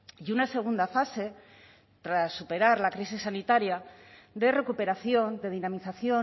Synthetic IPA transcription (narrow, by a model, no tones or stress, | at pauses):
junase̞ɣ̞und̪afase̞ | t̪ɾasːupe̞ɾaɾlakɾis̬isːanit̪aɾjad̪e̞re̞kupe̞ɾaθjo̞nd̪e̞ð̞inamiθaθjo̞